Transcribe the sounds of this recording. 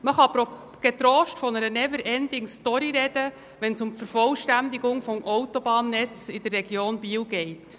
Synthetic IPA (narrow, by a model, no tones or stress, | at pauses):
məχɑpɔ | ɡ̥et̪ɾoːʃtfɔnəɾənɛvəɾɛndɪŋstɔɾiɾɛd̥ə | ʋɛnsʊmfəɾfɔlʃtænd̪iɡʊŋfɔmʔɔwtɔbɑːnːɛt͡sɪd̥ərːɛɡjoːnbiːwɡɛɪt